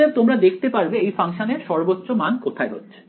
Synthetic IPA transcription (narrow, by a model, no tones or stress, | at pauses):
eb̚t̪omɾad̪ekʰt̪epaɾbeejfaŋʃaneɾʃɔɾbot̪ːɾomankot̪ʰaeɦo̰tːɕʰe̥